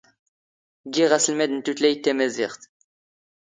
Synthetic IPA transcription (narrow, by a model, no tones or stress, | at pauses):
ɡiʁaslmɛd̪nt̪ut̪lejt̪ːemeziʁt̪